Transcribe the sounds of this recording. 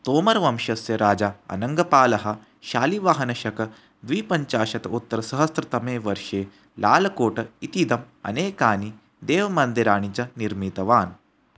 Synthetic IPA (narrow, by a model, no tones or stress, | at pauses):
t̪oːmɐɾʋɐmʃɐsjɐɾaːd͡ʒaɐ̰nɐŋɡɐpaːlɐɦɐ̆ | ʃaːliʋaːɦɐnɐʃɐkɐ | d̪ʋiːpɐɲt͡ʃaːʃɐt̪ɐut̪ːɐɾɐsɐɦɐst̪ɾɐt̪ɐmeːʋɐɾʂeː | laːlɐkoːʈɐit̪id̪ɐm | ɐ̰neːkaːni | d̪eːʋɐmɐnd̪iɾaːɳit͡ʃɐniɾmit̪ɐʋaːn